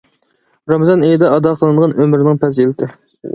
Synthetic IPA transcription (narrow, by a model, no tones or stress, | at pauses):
ɾɑmzɑnejd̪ɑɑd̪ɑqʰəlˠɨnɴʁɑnʔømɪɾɪnɪŋpʰɛzelɪt̪ʰɪ